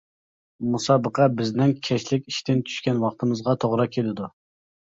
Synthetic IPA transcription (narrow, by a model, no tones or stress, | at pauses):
musɑbəqʰɑbɪznɪnkʲʰɛʃlɪkʲiʃt̪ɪnt͡ʃʰy̥ʃkʲɛnwɑχt̪ʰɨmɨzʁɑt̪ʰoʁɾɑkʲʰelɪd̪u